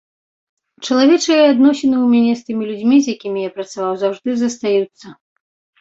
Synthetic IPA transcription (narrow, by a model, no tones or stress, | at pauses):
t͡ʂɐlˠavʲɛt͡ʂɨjɛad̪nɔsʲɛnɨwmʲanʲɛst̪ɨmʲilʲud͡zʲmʲizʲjakʲimʲijapɾɐt̪savawzawʐd̪ɨzɐst̪ajut̪sːɐ